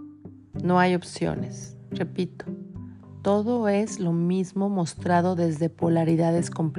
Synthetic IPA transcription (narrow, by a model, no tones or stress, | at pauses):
no̞ajo̞psjo̰ne̞sre̞pit̪o̥ | t̪o̞ðo̞e̞zlo̞mizmo̞mo̞st̪ɾaðo̞ðe̞zðe̞polaɾiðaðe̞sko̞mp